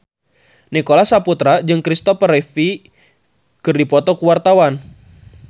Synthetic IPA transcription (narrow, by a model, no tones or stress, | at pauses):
nikolasaput̪ɾad͡ʒɨŋkɾist̪ɔfəɾɛfi | kɨrdipɔt̪ɔkuwart̪awan